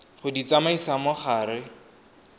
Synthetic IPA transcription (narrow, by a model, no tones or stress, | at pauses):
χʊdit͡samaisamʊχaːɾɪ